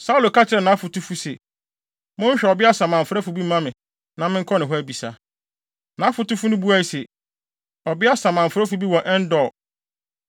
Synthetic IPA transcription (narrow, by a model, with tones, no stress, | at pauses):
sa˦u˦lo˨kʰa˦t͡ɕʰɪ˨ɾɛ˨nã˨˦fʊ˨tʰu˦fu˦sḛ˨ | mʊ̃˦ɲ̩˦ɕᶣɛ˨ɔ˨bɪ˦a˦sã˨mã˨m̩˨fɾa˦fu˨bi˦mã˦mɪ̃˨ | nã˦mɪ̃˦ŋ̩˦kʰɔ˦nɪ̃˨ɦɔ˦æ˦bi˨sa̰˨ | nã˨˦fʊ˨tu˦fu˦nʊ̃˦bu˦a˦i˨se˨ | ɔ˨bɪ˦a˦sã˨mã˨m̩˨fʊ˨ɾa˦fu˨bi˦wɔ̃˨nʔɛ˦n̩˦dɔ˨